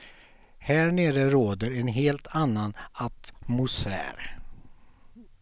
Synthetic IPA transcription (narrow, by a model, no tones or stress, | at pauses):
hæːɳeːɾəɾoːd̪əɾɛnɦeːlt̪ʰanːanat̪mʊsæ̰ːɾ